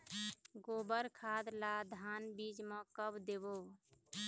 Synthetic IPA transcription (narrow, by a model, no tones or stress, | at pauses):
ɡobəɾkʰad̪lad̪ʱanbid͡ʒmə̃kəbd̪ebo